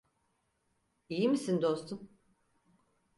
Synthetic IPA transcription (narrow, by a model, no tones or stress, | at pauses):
ijimisind̪o̞st̪ʰum